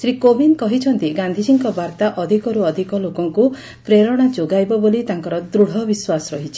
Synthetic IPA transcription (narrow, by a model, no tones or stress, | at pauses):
sɾikobinkɔɦit͡ʃʰɔnt̪iɡand̪ʱisiŋkɔbaɾt̪aʔɔd̪ʱikɔɾuɔd̪ʱikɔlokɔŋku | pɾeɾɔɽ̃ad͡ʒoɡajbɔbolit̪aŋkɔɾɔd̪ɾuɽ̤ɔbiswasɔɾɔɦit͡ʃʰi̥